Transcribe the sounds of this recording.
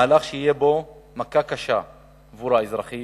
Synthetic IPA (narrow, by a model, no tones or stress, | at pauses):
laχʃeijebo̞makakaʃaː | vuɾhaezʁaχi